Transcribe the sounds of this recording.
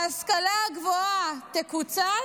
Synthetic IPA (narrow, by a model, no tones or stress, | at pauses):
askalaɡvoat̪ekut͡sa